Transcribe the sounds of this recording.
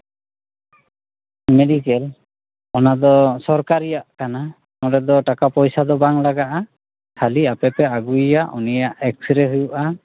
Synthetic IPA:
mɛdikɛl | ɔnad̪ɔsɔɹkaɾijaʔkana | mɔdɛd̪ɔʈakapɔjsad̪ɔbaŋlaɡaʔa | kʰaliapɛpɛaɡuijaʔṵnijaʔɛksɾɛɦujuʔa

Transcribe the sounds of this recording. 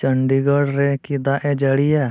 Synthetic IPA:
t͡ʃəɳɖiɡəɽɾɛkid̪aʔɛd͡ʒəɽija

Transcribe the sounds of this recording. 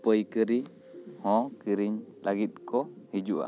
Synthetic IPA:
pəjkəɾi | hɔ̃kiɾiɲlaɡit̪̚kʰɔhid͡ʒuʔa̰

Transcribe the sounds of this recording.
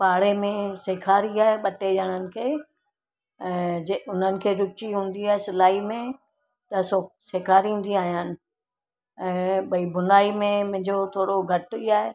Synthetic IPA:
paːɽemẽseːkʰaːɾiaːɦeɓɐʈed͡ʑaːɽ̃ənɪ̆kʰeː | ɛ̃ːeʊn̤ənɪ̆kʰeːɾʊt͡ʃiɦũːn̆d̪iaːɦesɪlaːimẽ | t̪ɐsoseːkʰaːɾĩːn̆d̪iaːɦijaːnɪ̆ | ɛ̃ːbɐibʊnaːimẽmʊ̃ɦɪ̃ɲd͡ʑot̪ʰoːɽoɡʱɐʈʊiaːɦe

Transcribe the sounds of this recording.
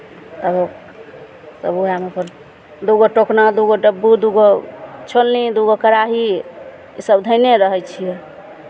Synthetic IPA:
t̪əbo | səbuamepən | d̪uɡoʈoknad̪uɡoɖəbːud̪uɡot͡ʃʰolnid̪uɡokəɾaɦi | isəbd̪ʱəɪneɾəɦɛjt͡ʃʰijɛ

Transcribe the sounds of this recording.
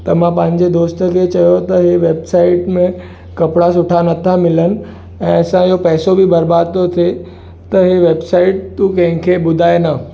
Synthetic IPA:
t̪ɐmãpɐ̃ɦɪ̃ɲ̆d͡ʑed̪oːst̪əkʰet͡ɕɐjot̪ɐɦeʋeːbsaːɪʈmẽ | kɐpɽasʊʈʰanɐt̪ʰamɪlənɪ̆ | ɛ̃ːɐsãɪɦopɛːsobibɐɾbaːd̪̚t̪ot̪ʰe | t̪ɐɦeʋeːbsaːɪʈ̚t̪ukɐ̃ɦɪ̃kʰebʊd̪ʱaːenɐ

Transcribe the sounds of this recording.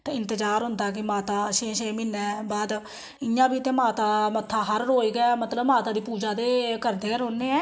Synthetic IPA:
t̪eːɪ̃nt̪əd͡ʒaːɾɦʊnd̪aːk̬ɪmaːt̪aːʃẽːʃeːmɪnːɛːbaːd̪ | ɪjãːbiːt̪ẽːmaːt̪aːmət̪ʰːaːɦəɾɾɦoːiːɡɛːmət̪ləbmaːt̪aːd̪iːpuːd͡ʒaːd̪eːkəɾd̪eːəɾɦoːneːɛː

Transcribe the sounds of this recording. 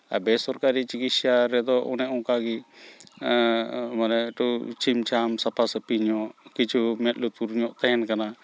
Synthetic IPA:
a̰bɛsɔɾkaɾit͡ʃikit̪saɾɛd̪ɔʔṵnɛʔɔ̃kaɡi | manɛʈut͡ʃʰimt͡ʃʰamsapʰasɛpiɲɔʔkit͡ʃʰumɛt̪̚lut̪̚puɾɲɔʔt̪ajɛnkana

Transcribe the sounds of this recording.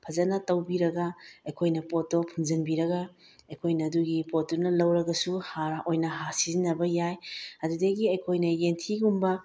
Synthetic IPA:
pʰɐzɐnɐtɐwbiɾɐɡɐɐjkʰojnɐpotːopʰumzɐnbiɾɐɡɐ | ɐjkʰojnɐːduɡipotːonɐlɐwɾɐɡɐsuhaojnɐɦasizinɐbɐjajɐdudɐɡiɐjkʰojnɐjentʰiɡumbɐ

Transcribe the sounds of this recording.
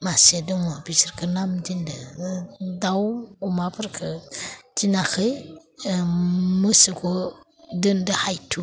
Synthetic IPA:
masedənwobit͡ʃiɾkənamdində | dawuumapəɾkʰətinaxə | musəko | dəndəhaitʰu

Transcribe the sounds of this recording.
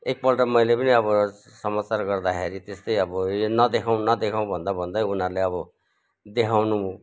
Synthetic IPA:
ek̚pʌlʈamʌjlepʌniʌbʌ | sʌmat͡sarɡʌrd̪akʰeɾit̪est̪ʌjʌbʌonʌd̪ekʰaw̃nʌd̪ekʰaw̃bʱʌnd̪abʱʌnd̪ʌjunarleʌbʌ | d̪ekʰawnuũ

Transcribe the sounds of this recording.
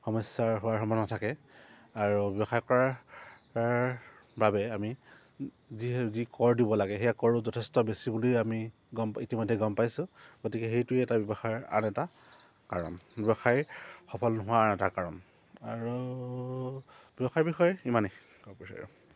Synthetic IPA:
xɔmɔsjaɹɦʊwaɹɦɔmɔnatʰakɛaɹubjɔbɔxajkɔɹaɹ | babɛami | zizikɔɹdibɔlaɡɛɦejakɔɹʊzɔtʰestɔbesibulijami | ɡɔmitimɔjdʱɛɡɔmpajsʊ̃ɡotikɛxejtʊɛtabjɔbɔxaja̰nɛta | kaɹɔ̰nbjɔbɔxajxɔpʰɔlnɔɦʊwaanɛtakaɹɔn | aɹu | bjɔbɔxaɹbixɔjimane | kɔpisa̰ɹṵ

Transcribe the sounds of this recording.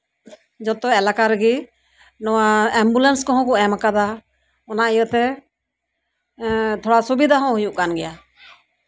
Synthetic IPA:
d͡ʒɔt̪ɔɛlakaɾɛɡi | nɔwaɛmbulɛnskɔɦɔ̃kɔɛmakad̪a | ɔnaʔijət̪ɛ | t̪ʰɔɽasubid̪ʱaɦɔ̃ɦujuʔkanɡɛja

